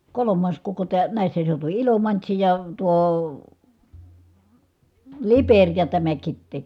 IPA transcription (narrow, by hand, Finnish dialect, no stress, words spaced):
kolomˑɑːs koko tæː næˑisːæ seutuʋi ilomɑntsi jɑ tuo liperʲ jɑ tæmæ kitːeː